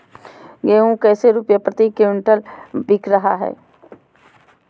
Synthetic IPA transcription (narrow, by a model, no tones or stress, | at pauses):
ɡeːũkɛːseɾupjapɾət̪iːkːeʊ̃ɳʈəlbɪkʰɾɐɦa̰ɦɛ̰ː